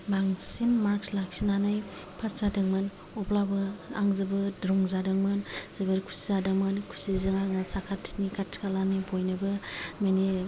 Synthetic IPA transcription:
baŋsinmaɾkslak̚sinanaj | pʰaszadɯŋmɯn | ɔplabɯaŋzɯbɯdɾɔŋzadɯŋmɯnz̥ɯbɯɾkʰu̥sizadɯŋmɯnkʰu̥sizɯŋaŋasakʰatʰːnikʰatʰkʰalanibojnɯbɯmeni

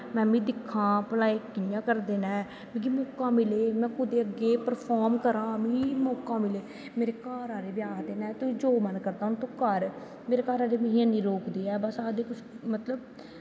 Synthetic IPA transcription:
mɛ̃ːmĩːd̪ɪkʰːãːpəlaːeːkɪjãːkəɾd̪eːnɛ̃ː | mĩːɡiːmɔːkãːmɪleːmɛ̃ːkʊd̪eːəɡːeːpəɾpʰɔːɾmkəɾãːmĩːmɔːkãːmɪleː | meːɾeːkaːɾaːɾeːbjaːkd̪eːnɛ̃ːt̪ʊĩd͡ʒoːmənkəɾd̪aːɦʊnt̪ũkəɾ | meːɾeːkaːɾaːɾeːmɪ̃ːɦãːnĩːɾoːkd̪iːɛːbəsaːd̪eːkʊt͡ʃmət̪ləb

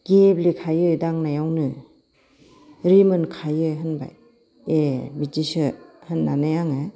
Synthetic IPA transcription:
ɡ̥eblikʰajɯjdaŋnajawnɯ | ɾimɯnkʰajɯɦɯnba̰j | ebid͡ʒisɯhɯnːanajaŋɯ

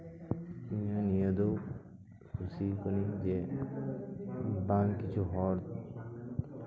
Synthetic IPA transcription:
mianijɔd̪o | kʰusikɔnid͡ʒe | baŋkit͡ʃʰuɦɔɾ

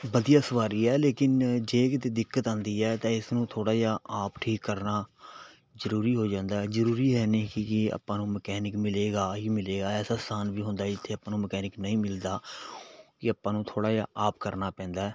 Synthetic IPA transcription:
bəd̪ijaːsəʋaːɾiːɛːleːkɪnd͡ʒeːkɪt̪eːd̪ɪkːət̪ãːnd̪iːɛːt̪ãːɪsnũːt̪ʰoːɽaːd͡ʒaːaːpʈʰiːkːəɾnaː | zəɾuːɾiːɦoːd͡ʒãːnd̪aːɛːzəɾuːɾiːɦɛːneːkɪɪa̰ːpːãːnũːməkɛːnɪkmɪleːɡaːɦiːmɪleːɡaːɛːsaːst̪aːnʋiːɦʊ̃nd̪aːd͡ʒɪt̪ʰːeːəpːãːnũːməkɛːnɪknəĩːmɪld̪aː | kɪapːãːnũːt̪ʰoːɽaːd͡ʒaːʔaːp̚kəɾnaːpɛ̃ːnd̪aːɛː

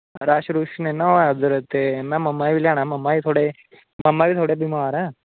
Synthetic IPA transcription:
ɾaɕɾuʂnẽnaad̪əɾət̪enaməmːaiʋilaɽ̃ãmɐmːait̪ʰoɽe | mɐmːabiːt̪ʰoɽebimaaɾa

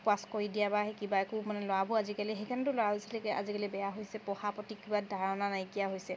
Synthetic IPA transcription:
pwaskoɹidijabaɦɛkibaekʊmanɛlɔabuazikaliɦejkʰanɛt̬ʊlɔwalosɛlekɛʔa̰zikalibɛjaɦojsɛpɔhapɔtikibadʱaɹɔnanajkijaɦojsɛ

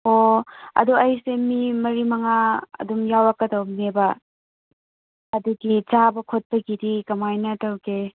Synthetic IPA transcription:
oɐ̰duʔɐjsemimɐɾimɐŋaɐ̰dumjawɐkːɐdɐwmebɐ | ɐduɡit͡ʃabɐkʰot̚pɐɡidikɐmajnɐtɐwɡe

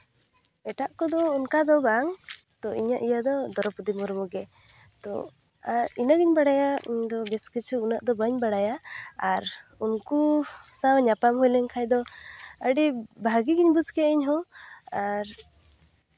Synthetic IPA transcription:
ɛʈaʔkɔd̪ɔunkad̪ɔbaŋ | t̪ɔʔiɲaʔijad̪ɔd̪ɔɾɔpud̪imɔɾmɔɡɛ | t̪ɔ̰ | aɾinaɡiɲbaɽajaḭɲd̪ɔbɛskit͡ʃʰuunaʔd̪ɔbəɲbaɽajaːɾunkusawɲapamɦɔjlɛɲkʰajd̪ɔəɖibʱaɡiɡiɲbud͡ʒkɛiɲɦɔ̃aɾ

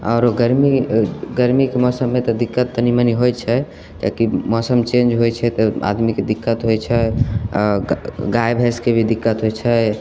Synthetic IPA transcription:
ɔːɾɡəɾmiɡəɾmikemɔsəmːet̪ɔd̪ikːət̪ːəniməniɦojt͡ʃʰɛ | kakimɔsəmt͡ʃẽnd͡ʒɦojt͡ʃʰɛt̪ɔa̰d̪miked̪ikːət̪ɦojt͡ʃʰɛ | ɡajbʱɛskebʱid̪ikːət̪ɦojt͡ʃʰɛ

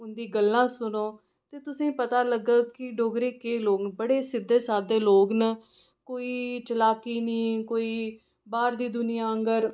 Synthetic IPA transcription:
ʊnd̪iːɡəlːãːsʊnoː | t̪eːt̪ʊsĩːpət̪aːləɡəːkɪɖoːɡɾeːkeːloːɡnbəɽeːsɪd̪ːeːsaːd̪eːloːɡnə | koːiːt͡ʃəlaːkiːnĩːkoːiː | baːɾd̪iːd̪ʊnɪjãːəŋɡəɾ

